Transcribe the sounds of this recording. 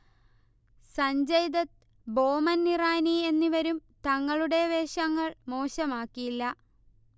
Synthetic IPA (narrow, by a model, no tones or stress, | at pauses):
sɐɲd͡ʑɐjd̪ɐt̪̚ | bo̞ːmɐnːiraːnie̞nːiʋɐɾumt̪ɐŋːɐɭuɽe̞ʋe̞ːɕɐŋːɐɭmo̞ːɕɐmaːkːijilːɐ